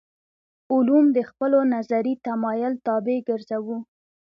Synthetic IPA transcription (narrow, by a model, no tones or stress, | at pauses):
ʊlumd̪əxpəlonazaɾit̪amɑjʊlt̪ɑbeɡəɾzawu